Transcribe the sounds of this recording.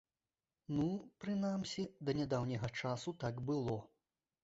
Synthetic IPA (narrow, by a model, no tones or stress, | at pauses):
nupɾɨnamsʲid̪ɐnʲad̪awnʲɐɣɐt͡ʂasut̪aɡbɨlˠɔ